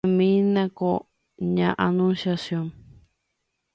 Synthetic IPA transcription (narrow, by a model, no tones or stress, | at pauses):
mĩnãko | ɲãʔanũnsjasjõŋ